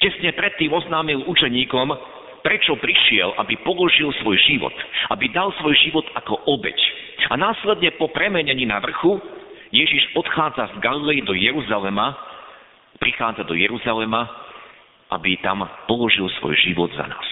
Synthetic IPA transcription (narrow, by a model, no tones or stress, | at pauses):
cɛsɲɛpɾɛt̪ːiːmɔznaːmilut͡ʃɛɲiːkɔm | pɾɛt͡ʃɔpɾiʃɪɛlʔa̰bipɔlɔʒilsʋɔjʒiʋɔ̰t̪ʔabid̪alsʋɔjʒiʋɔt̪akɔʔɔbɛ̰canaːslɛd̪ɲɛpɔpɾɛmɛɲɛɲiːnaʋr̩xujɛʒiʒɔt̪xaːd͡zazɡalilɛjid̪ɔjɛɾuzalɛma | pɾixaːd͡zad̪ɔjɛɾuzalɛma | ʔa̰bit̪a̰mpɔlɔʒilsʋɔ̰jʒiʋɔ̰d̪za̰na̰ːs